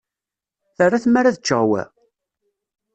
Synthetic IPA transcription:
θərˤːaθmaɾaðət͡ʃːə̰ʁwæ̰

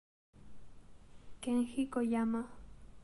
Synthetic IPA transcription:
keŋxikojama

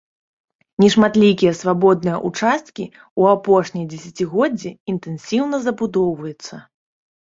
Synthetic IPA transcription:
nʲɛʂmat̪lʲikʲijɐsvabɔd̪̚nɨjɐʔut͡ʂast̪̚kʲi | uapɔʂnʲɐjd͡zʲɛsʲɐt͡sʲiɣɔd͡zʲːɛint̪ɛnsʲiwnɐzɐbud̪ɔwvɐjɛt̪sːɐ

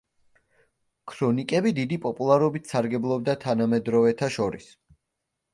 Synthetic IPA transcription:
kʰɾɔnikʼɛbid̪id̪ipʼɔpʼulˠaɾɔbit̪ʰsaɾɡɛblˠɔb̚d̪at̪ʰanamɛd̪ɾɔvɛt̪ʰaʃɔɾḭs

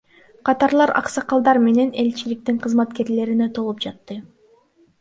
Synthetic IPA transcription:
qʰɑt̪ɑɾlˠɑɾɑ̰qsɑqɑlˠd̪ɑɾme̞ne̞ne̞lt͡ʃilik̚t̪iɴqʰɯzmɑt̪ke̞ɾle̞ɾinet̪ʰo̞lˠup̚d͡ʒɑt̪ːɯ

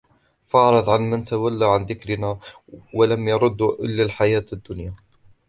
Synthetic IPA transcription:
fɑʕɾˤɑðˤʕanmənt̪awalːaʕanðɪkɾɪna | walamjɑɾˤʊd̪ːuʔɪlːalħajaːt̪əd̪ːʊnja

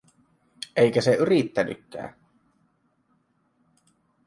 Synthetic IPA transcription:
ʔeikæseyrit̪ːæny̰kːæ̰ː

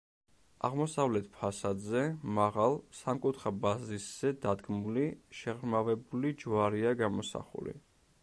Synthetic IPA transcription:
a̰ʁmɔsavlɛt̪ʰpʰasad̪zɛmaʁalˠsamkʼut̪ʰɾabazisz̥ɛd̪ad̪ɡmuliʃɛʁɾmavɛbulid͡ʒwaɾiaɡamɔsa̰χṵlḭ

